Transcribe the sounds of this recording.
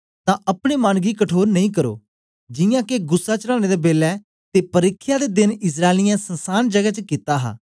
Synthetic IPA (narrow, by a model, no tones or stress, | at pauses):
t̪ãːʔəpɽeːmaːnɡiːkəʈʰoːɾnəĩːk̬əɾo̰ː | d͡ʒɪjãːkeɡʊsːaːt͡ʃəlaːñeːd̪eːbeːlɛː | t̪eːpəɾɪkʰːɪjaːd̪eːd̪ɪnɪs̬ɾaːelɪjãːsənsaːnd͡ʒəɡɛːt͡ʃəkit̪aːɦa̰ː